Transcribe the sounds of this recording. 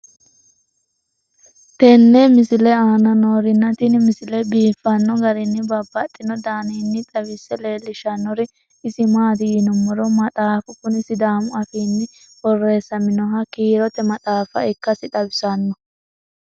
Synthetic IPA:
t̪ɛnːɛmɪsɪlɛaːnɐnoːɾɪnːɐt̪ɪnmɪsɪlɛbiːfːɐnːɔɡɐɾɪnːɪbɐbːɐt̪ʼːɪnɔd̪aːnɪnːɪt̪ʼɐβɪsːɛle̞ːlːɪʃɐnːɔɾɪ | ɪsɪmaːd̪ɪjɪnɔmːɔɾɔmɐt̪ʼaːfʊkʊnɪsɪd̪aːmʊɐfiːnːɪ | bɔrːe̞ːsːɐmɪnɔɦɐkiːɾɔt̪ɛmɐt̪ʼaːfɐ̰ɪkːɐsɪᶑ̪ʼɐbɪsɐnːɔ

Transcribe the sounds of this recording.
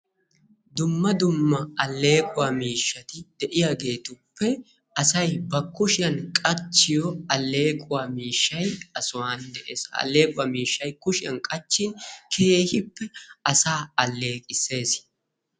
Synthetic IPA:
d̪ʊmːɐd̪ʊmːɐɐlːe̞ːkʼʊwaːmiːʃːɐt̪ɪd̪̥ɛʔɪjaːɡe̞ːt̪ʊpːɛ | ɐsɐjbɐkːʊʃɪjɐnkʼɐt͡ʃːɪjɔɐlːe̞ːkʼʊwaːmiːʃːɐjɐsʊwaːnd̪ɛʔeːsɐ̰lːe̞ːkʼʊwaːmiːʃːɐjkʊʃɪɐnkʼɐt͡ʃːɪnkʰe̞ːhɪpːɛɐsaːɐlːe̞ːkʼɪse̞ːs

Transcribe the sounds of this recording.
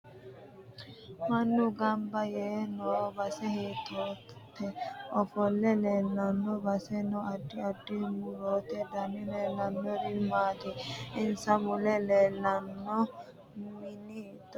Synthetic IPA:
mɐnːʊɡɐmbɐjeːnoːbɐsɛhiːt̪ːoː | t̪ːɛɔfɔlːɛleːlːɐnːɔbɐsɛnɔɐɖːɪɐdːɪmʊɾoːt̪ɛd̪ɐnɪleːlɐnːɔɾɪmaːt̪ɪɪnsɐmʊlɛleːlːɐnːɔ | mɪnid̪ɔ

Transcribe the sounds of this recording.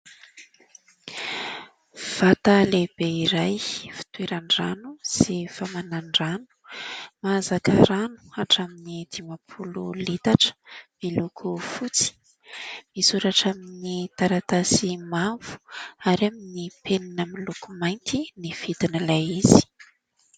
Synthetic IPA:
v̥at̪aleb̥eiɾajfi̥t̪ueɾaɳɖ͡ʐanuz̥efamanaɳɖ͡ʐanu̥mazakaɾanu̥aʈ͡ʂaminid̪̥imapʰululit̪aʈ͡ʂə̥milukʰufut͡si̥ | misuɾaʈ͡ʂaminit̪aɾat̪asimav̥u̥aɾaminipʰeninəmilukumajnt̪inifid̪inəlajiz̥i̥

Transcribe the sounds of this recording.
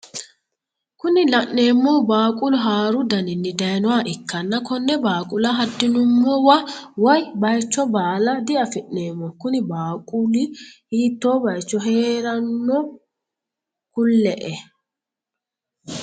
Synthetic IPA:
kʊnɪlɐʔneːmːɔbaːkʼʊlʊɦaːɾʊd̪ɐnɪnːɪd̪ɐjnɔwaːʔɪkːɐnːɐkɔnːɛbaːkʼʊlaɦɐd̪ːɪnʊmːɔːwɐwɐjbɐjt͡ʃːɔbaːlɐd̪ɪʔɐfɪʔneːmːɔkʊnɪbaːkʼʊlɪhiːt̪ːoːbɐjt͡ʃːɔɦeːɾɐnːɔ | kʊlːɛʔɛ

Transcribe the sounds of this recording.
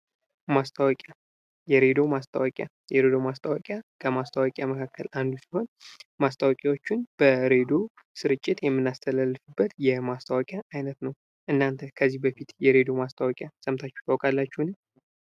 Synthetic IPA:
mast̪ʰʼəwəkʼja | jɛɾe̞d̪o̞mast̪ʰʼə̰wakʼja̰ | jɛɾed̪o̞mast̪ʼʰəwakʼjakʰəmast̪ʰʼəwakʼjaməkʰakːəlʔand̪usi̥ho̞nmast̪ʰʼawkʼawo̞t͡ʃːɪnb̥əɾe̞d̪o | sɨɾɨt͡ʃʼːɪt̪jɛmːɨnːast̪ʰəlalːɨfɨbːət̪jɛmast̪ʰawakʼjaʔajnət̪nəw | ʔɨnːant̪ʰəkʰəzːihbəfit̪jɛɾe̞d̪o̞mast̪ʰawɔkʼjasʼəmt̪ʰat͡ʃːɛ̥t̪ʰawkʼalːat͡ʃːuhnɨ

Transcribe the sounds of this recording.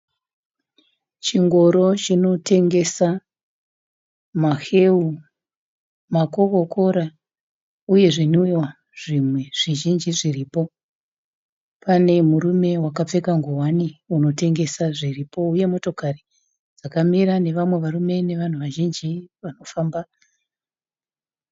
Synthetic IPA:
t͡ʃiŋɡo̞ɾo̞t͡ʃino̞te̞ŋɡe̞sa | maxe̞u | mako̞ko̞ko̞ɾa | uje̞ʐinujwa | ʐ̥imwe̞ʐ̥iʒind͡ʒiʐiriːpo̞ | pane̞muɾume̞wakap͡fe̞kaŋɡuwaniuno̞te̞ŋɡe̞saʐiripo̞uje̞mo̞to̞kari | d͡zakamiɾane̞ʋamwe̞ʋarume̞ne̞ʋan̤uʋaʒind͡ʒiʋano̞faːmba

